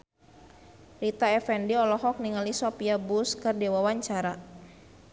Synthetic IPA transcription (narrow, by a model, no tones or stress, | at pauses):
rit̪aɛfɛndiɔlɔɦɔk̚niŋalisɔpiabuskərdɛwawaɲt͡ʃaɾa